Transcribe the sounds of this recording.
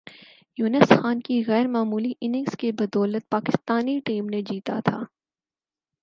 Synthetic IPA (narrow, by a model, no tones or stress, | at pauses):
juːnəsxaːnkiɣɛːɾmaːmuːliʔɪnɪ̃ŋskebɐd̪ɔːlət̪̚paːkɪst̪aːniʈiːmned͡ʒiːt̪a̰t̪ʰaː